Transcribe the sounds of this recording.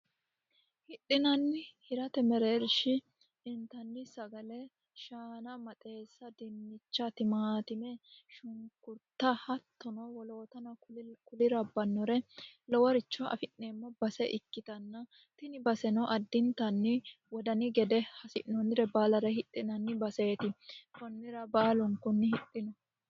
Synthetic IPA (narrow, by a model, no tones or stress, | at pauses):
hɪɗɪnɐnːɪhɪɾɐt̪ɛmɛɾeːɾʃɪː | nt̪ɐnːɪsɐɡɐlɛ | ʃaːnɐmɐt̪ʼe̞ːsːɐd̪ɛnːɪt͡ʃːɐt̪ɪmaːt̪ɪmɛʃʊŋkʊɾt̪ːɐhɐt̪ːɔnɔwɔloːt̪ɐnɐkʊlɪɾɐbɐnːɔɾɛlɔwɔɾɪt͡ʃːɔʔɐ̰fɪʔneːmːɔbɐsɛʔɪkːɪt̪ɐnːɐ | t̪ɪnɪbɐsɛnɔʔɐd̪ːɪnt̪ɐnːɪ | wɔd̪ɐnɪɡɛd̪ɛhɐsɪ̰ʔnɔnɪɾɛbaːlɐɾɐhɪt̪ʼːɪnɐnːɪbɐse̞ːt̪ɪkɔnːɪɾɐbaːlɔŋkɔnːɪhɪtʼːɪnɔ